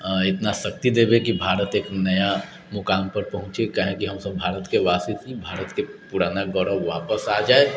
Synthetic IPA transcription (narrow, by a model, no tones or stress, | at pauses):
ɪt̪nasɐk̚t̪id̪eːbekibʱaːɾət̪eːknɐja | mʊkaːmpɐɾpɐɦʊ̃t͡ʃekɐɦẽkiɦɐmsɐbbʱaːɾət̪keʋaːsisibʱaːɾət̪kepuːɾaːnaɡɔɾəbʋaːpəsad͡ʒaːe